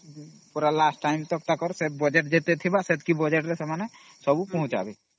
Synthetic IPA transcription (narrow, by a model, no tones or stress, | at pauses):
puɾalasʈːaɪmt̪ɔkt̪akɔɾsebɔd͡ʒeʈd͡ʒet̪et̪ʰibaset̪kibɔd͡ʒeʈɾesemane | sɔbupɔ̃ɦʊ̃t͡ʃa̰bi